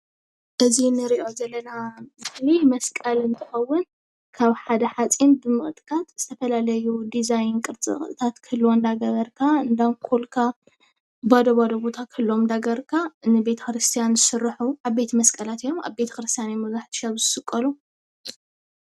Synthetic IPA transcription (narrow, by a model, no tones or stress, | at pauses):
ʔɨzinɨɾiʔo̞zɐlːɐnabɨlimɐskʼɐlɨnt̪ʰɨ̥xɐwːʊn | kʰaβħad̪ɐħat͡sʼinbɨmɨxʼt̪ʼkʰʼat̪z̥ɨt̪ʰɐfɐlalɐjud̪izajnkʼɨɾt͡sʼɨ̰χʼɨ̰t̪ʰat̪kʰɨlːwond̪aɡɐβɐɾkʰaɨnd̪amkkʰulkʰa | bod̪ɐbod̪ɐbo̞t̪ʰakʰɨlːomd̪aɡɐɾkʰanɨbe̞t̪ʰɐ̥kɾɨst̪ʰijanzɨsɨrːɨħuʔaβbe̞t̪ʰmɐskʼɐlat̪ijo̞ma̰βbe̞t̪ʰɐ̥kɾɨst̪ʰijanimuzaħt̪ʰɨ̥ʃaβzɨsɨkʼːɐlu